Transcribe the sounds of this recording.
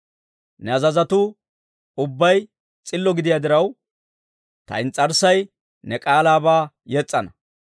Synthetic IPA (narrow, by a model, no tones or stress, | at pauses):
nɛɐzɐzɐt̪ʊ | ʊbːɐj | t͡sʼɪlːɔɡɪd̪ɪjad̪ɪɾɐw | t̪ɐ̰ɪnt͡sʼːɐɾsɐj | nɛkʼaːlaːbaː | jɛt͡sʼːɐnɐ